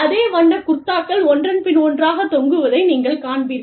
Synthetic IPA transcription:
ɐðeːʋɐɳːɐkʊɾt̪ːaːkːɐɭɔndrɐnpɪnɔndraːɣɐt̪ɔŋɡɯʋɐðɐɪniːŋɡɐɭkaːɳbɪɾ

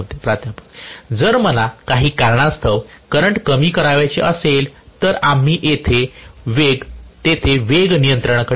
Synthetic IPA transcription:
t̪epɾat̪ʰjapəkd͡zəɾməlakaɦiːkaɾɳast̪ʰəʋkəɾəɳʈkəmiːkəɾaʋajt͡ɕeʔəselt̪əɾam̤iːʔet̪ʰeʋeɡt̪et̪ʰeʋeɡnijənt̪ɾəɳkə

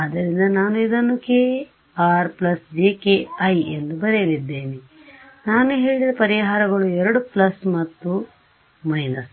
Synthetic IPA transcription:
aːd̪ːɐɾind̪ɐnaːnuid̪ɐnːukeː | aːɾplɐsd͡ʒeːkeɐjend̪ubɐɾelid̪ːe̞ːni | naːnuɦe̞ːɭid̪ɐpɐɾiɦaːɾɐɡɐɭuɛɾɐɽuplɐsmɐt̪ːu | mɐjnɐs

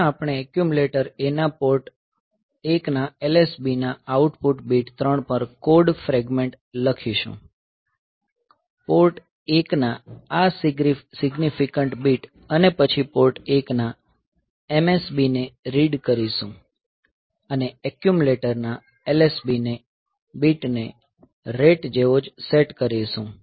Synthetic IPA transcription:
aapɽ̃eɛkjumuleʈəɾenapoɾʈ | eknaelesbinaauʈpuʈbiʈt̪ɾəɳ̃pəɾkoɖfɾɛɡmeɳʈ | ləkʰiʃṵ̃ | poɾʈ | eknaassɪɡnifʰikəɳʈbiʈ | ənepət͡ʃʰipoɾʈekna | emesbineɾiɖkəɾiʃũ | əneɛkjumuleʈəɾna | elesbine | biʈne | ɾeʈd͡ʒeʋod͡ʒseʈkəɾeʃũ

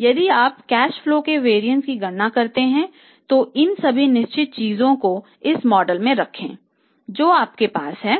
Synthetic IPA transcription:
jɐd̪iaːpkɛːʃfloːkeʋeːɾijə̃nʈskiɡɐɽːakɐɾt̪eɦɛ̃ | t̪oɪnsɐbʱinɪʃt͡ʃɪt̪̚t͡ʃiːzõko | ɪsmɔːɖəlmẽɾɐkʰḛ̃ː | d͡ʒoːaːp̚kepaːsɦɛː

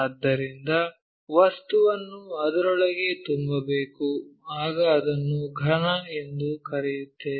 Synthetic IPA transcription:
ɐd̪ːɐɾind̪ɐ | ʋɐst̪uʋɐnːuɐd̪ɐɾɔɭɐɡe̞t̪umbɐbeːkuaːɡɐːd̪ɐnːuɡʱɐɳɐe̞nd̪ukɐɾɛjut̪ːe̞

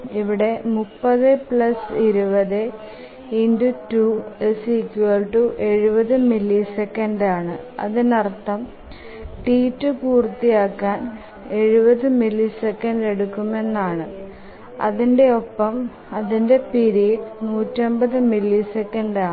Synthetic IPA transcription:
iʋiɽe̞mupːɐðɨpɭɐsiɾubɐðɨ | inɖutuesikːjuɐlʈuʔe̞ɻubɐðɨmilːisekːɐnɖaːɳɨɐ̰ðɨnɐrt̪ːɐm | ʈiːtːɨpuːrt̪ːijaːkːaːn | e̞ɻubɐðɨmilːisekːɐnɖe̞ɽukːume̞nːaːɳɨ | ɐ̰ðinde̞o̞pːɐm | ɐðinde̞piɾijeɖnuːtːombɐðɨmilːisekːɐnɖaː

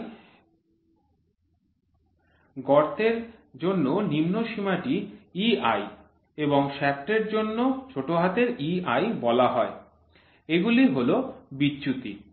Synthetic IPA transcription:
ɡɔɾt̪eɾd͡ʑonːonimnoʃimaʈiiaj | eboŋʃɛk̚ʈeɾd͡ʑonːot͡ɕʰoʈoɦat̪eɾiajbɔlaɦɔe | eɡuliɦolobidːɕut̪ḭ

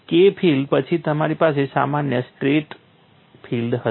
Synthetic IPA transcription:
kepʰilɖpət͡ʃʰit̪əmaɾipasesamanjəsʈɾeʈ | fʰild̪ɦə

